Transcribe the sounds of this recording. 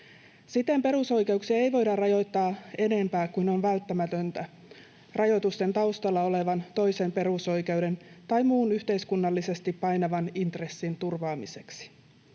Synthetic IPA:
sit̪e̞mpe̞ɾuso̞jke̞uksiɑe̞jʋo̞jdɑrrɑjo̞jt̪ːɑːe̞ne̞mpæːkuno̞nʋælt̪ːæmæt̪ø̞nt̪æ | rɑjo̞t̪ust̪e̞nt̪ɑwst̪ɑlːɑo̞le̞ʋɑnt̪o̞jse̞mpe̞ruso̞jke̞wde̞nt̪ɑjmuːnyçt̪e̞jskunːɑlːise̞st̪ipːɑjnɑʋɑnint̪re̞sːint̪urʋɑːmise̞ksi̥

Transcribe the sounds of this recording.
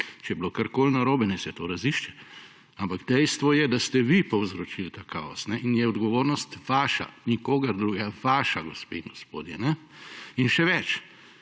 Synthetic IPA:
t͡ʃɛjɛblokaɾkoːlnaɾoːbɛnɛsɛt̪oːɾɐziʃt͡ʃɛ | ampaɡd̪ɛjst̪ʋɔjɛd̪ast̪ɛʋipɔwzɾɔt͡ʃilt̪aka̰ɔ̰snɛʔinjɛɔd̪ɡɔʋoːɾnɔst̪ʋaːʃa̰nikoːɡɐɾd̪ɾuɡaʋaːʃaɡɔspḛiŋɡɔspo̰ːd̪jɛnɛ | inʃɛʋɛt͡ʃ

